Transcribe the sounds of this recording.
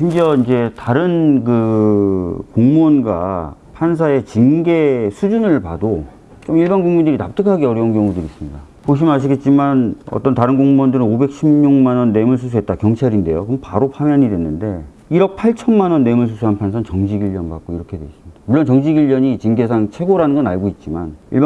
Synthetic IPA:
ɕʰimd͡ʑiʌind͡ʑe̞taɾɯnkɯ | koŋmonɡwa̰pʰans̬ʰae̞t͡ɕinɡe̞sʰud͡ʑunɯɭpado | t͡ɕomiɭbanɡuŋmindɯɾitap̚t͈ɯkʰaɡeʌɾjʌunɡjʌŋudɯɾis͈ɯmɲida | poɕ̬ʰimɯnaɕ̬ʰiɡe̞t̚t͡ɕ͈imanʌ̰t͈ʌntaɾɯnɡoŋmundɯɾɯnobe̞k̚ɕʰimɲuŋmanʌnːe̞muɭs̬ʰus̬ʰuɦe̞t̚t͈akjʌŋt͡ɕʰaɾinde̞̰jokɯmpaɾopʰamjaɲidwe̞nːɯnde̞ | iɾʌk̚pʰaɭt͡ɕʰʌnmanʌnːe̞muɭs̬ʰusʰuɦanpʰans̬ʰannt͡ɕʌŋd͡ʑiɡiɭːʌnba̰k͈̚oiɾʌkʰe̞dwe̞s͈imɲid̥amuɭːont͡ɕʌŋd͡ʑiɡiʎːʌɲit͡ɕiŋɡe̞sʰaŋt͡ɕʰe̞ɡoɾanɯnɡʌnaɭɡoit̚t͡ɕ͈imanḭɭb

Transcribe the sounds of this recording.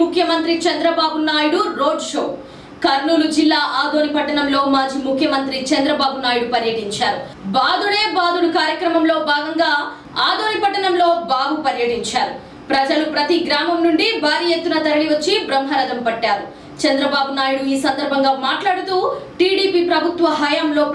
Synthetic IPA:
ukʰjɐmɐnt̪ɾit͡ʃɐnd̪ɾɐbaːbunaːjuɽuɾoːɖʂo̰ː | kɐɾnuːlud͡ʒilːaːʔaːd̪oːnipɐʈːɐɳɐmlo̞ːmaːd͡ʒiːmukʰjɐmɐnt̪ɾit͡ʃɐnd̪ɾɐbaːbunaːjuɽupɐɾjɐʈiɲt͡ʃaːɾu | baːd̪uɽeːbaːd̪uɽukaːɾjɐkɾɐmɐmlo̞ːbʱaːɡɐŋɡaː | aːd̪oːnipɐʈːɐɳɐmlo̞ːbaːbupɐɾjɐʈiɲt͡ʃaːɾu | pɾɐd͡ʒɐlupɾɐt̪iɡɾaːmɐmnuɳɖibʱaːɾijet̪ːunɐt̪ɐɾɐɽiʋɐt͡ʃːibɾɐmɦɐɾɐd̪ɐmpɐʈːaːɾu | t͡ʃɐnd̪ɾɐbaːbunaːjuɽuiːsɐnd̪ɐɾbʱɐŋɡaːmaːʈlaːɽut̪uːʈiːɽiːpiːpɾɐbʱut̪ʋɐɦɐjaːmlo̞ː

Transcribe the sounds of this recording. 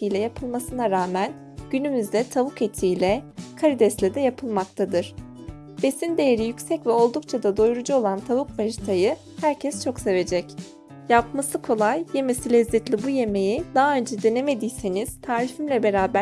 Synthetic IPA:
t̪ʰijlʲɛjapʰɯlˠmasɯnaɾaːmæn | ɟ̥ynymyzd̪ɛt̪ʰavuket̪ʰijlʲɛkʰaɾid̪ɛslʲɛd̪ɛjapʰɯlˠmak̚t̪ʰad̪ɯɾ̥ | b̥e̞sind̪e̞jeɾijycsɛcvɛo̞lˠd̪ukt͡ʃʰad̪ad̪o̞jɾud͡ʒuo̞lˠant̪ʰavukvaʒt̪ʰajɯ | hæɾcʰɛst͡ʃʰo̞kse̞ve̞d͡ʒɛc | jap̚masɯkʰo̞lˠajje̞mesilʲɛzːɛt̪lʲibuje̞me̞jid̪aɦːø̞nd͡ʒɛd̪ene̞me̞d̪ijseniz̥t̪ʰaːɾifimlʲɛbe̞ɾaːbæ

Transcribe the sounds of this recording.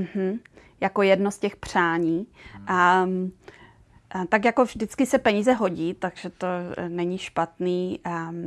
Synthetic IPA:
m̩ɦ̩ | jako̞jɛdnoscɛxpr̝̥aːɲiːʔa | t̪akjako̞vʒdɪt͡skɪsɛpɛɲiːzɛɦo̞ɟiːt̪aɡʒ̥ɛt̪o̞nɛɲɪʃpat̪niː

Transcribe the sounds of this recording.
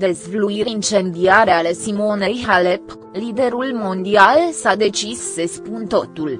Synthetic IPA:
d̪ezvluiɾint͡ʃe̞nd̪iaɾealesimo̞nejɦalep | lid̪e̞ɾulmo̞nd̪ialsad̪e̞t͡ʃisːespunt̪o̞̰t̪ul

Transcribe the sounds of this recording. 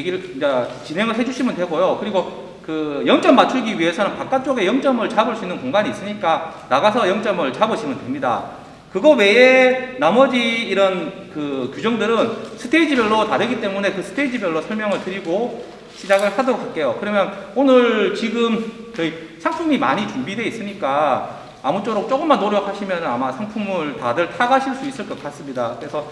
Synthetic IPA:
jeɡiɾɯɭat͡ɕinɦe̞ŋɯɭɦe̞d͡ʑuɕʰimɯndwe̞ɡojokɯɾiɡo | kɯjʌŋt͡ɕ͈ʌmːat͡ɕʰuɡiɥiɦe̞sʰʌnɯnpak͈at͡ɕ͈oɡe̞jʌŋt͡ɕ͈ʌmɯɭt͡ɕaboɭs͈uinːɯnkoŋɡaɲiːs͈ɯɲik͈anaɡasʰʌjʌŋt͡ɕ͈ʌmɯɭt͡ɕaboɕʰimɯndwe̞mɲida̰ | kɯɡʌwe̞enamʌd͡ʑiːɾʌnkɯkjud͡ʑʌŋdɯɾɯnsʰɯ̥tʰeid͡ʑibjʌɭːotaɾɯɡit͈e̞mune̞kɯsʰɯ̥tʰe̞id͡ʑibjʌɭːosʰʌɭmjʌŋɯɭtɯɾiɡo | ɕʰid͡ʑaɡɯɭsadook͈ak͈e̞jokɯɾʌmjʌnonɯɭt͡ɕiɡɯmt͡ɕʌi | sʰaŋpʰumima̰ɲit͡ɕumbidwe̞is͈ɯɲik͈aː | mut͡ɕ͈oɾok̚t͡ɕ͈ok͈ɯmːanːoɾjʌkʰaɕʰimjʌnɯnamasʰaŋpʰumɯɭtadɯɭtʰaaɡaɕʰiɭs͈uis͈ɯɭk͈ʌk͈ats͈ɯmɲidakɯɾe̞sʰʌ

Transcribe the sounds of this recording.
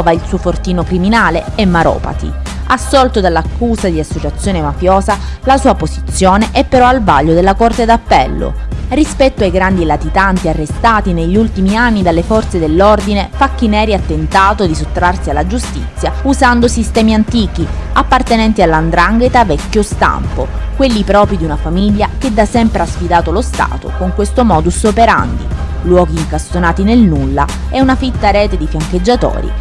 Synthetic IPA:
vailsuːofort̪iːnokɾiminaːleemːaɾɔ̰ːpa̰t̪ḭ | asːɔlt̪od̪alːakʰːuːzad̪iasːot͡ʃat̪sːjoːnemafjoːza | lasuːapozit̪sːjoːneʔɛpːeɾɔalvaʎːod̪elːakort̪ed̪apːɛlːo̰rispɛt̪ːoajɡɾand̪ilat̪it̪ant̪iarːest̪aːt̪ineʎːult̪imianːid̪alːefɔrt̪sed̪elːord̪inefakːinɛːɾiat̪ːent̪aːt̪od̪isot̪ːɾarsialːad͡ʒust̪ḭt̪sːjauzand̪osist̪ɛːmiant̪iːk̟iapːart̪enɛnt̪ialːand̪ɾaŋɡet̪avɛkːjost̪a̰mpokwelːipɾɔːpɾid̪iunafamiʎːaked̪ːasɛmpɾeasfid̪aːt̪olost̪a̰ːt̪o̰koŋkwest̪omɔːd̪usopeɾa̰nd̪ḭ | lwɔːɡiːŋkast̪onaːt̪inelnulːa̰ | ɛunafit̪ːaɾɛːt̪ed̪ifjaŋk̟ed͡ʒːat̪o̰ːɾḭ

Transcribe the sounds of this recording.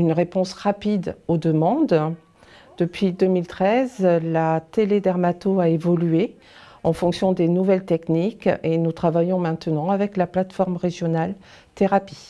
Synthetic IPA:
ynʁepɔ̃sʁapid̪od̪əmɑ̃d̪ | d̪̥əpɥid̪əmilt̪χɛzlat̪eled̪ɛʁmat̪oaevɔlye | ɑ̃fɔ̃ksjɔ̃d̪enuvɛlt̪ɛknikenut̪χavajɔ̃mɛ̃t̪ənɑ̃avɛklaplat̪fɔʁmʁeʒjɔnal | t̪eʁapi

